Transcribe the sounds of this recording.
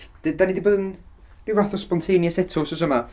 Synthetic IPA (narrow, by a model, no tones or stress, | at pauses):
d̥danidiboːðən | nivaθɔspɔntʰejnjəsɛtʰʊsɔsəma